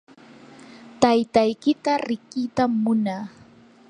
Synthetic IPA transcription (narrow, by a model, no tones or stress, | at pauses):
t̪ajt̪ajkɪt̪aɾɪkit̪amːʊnaː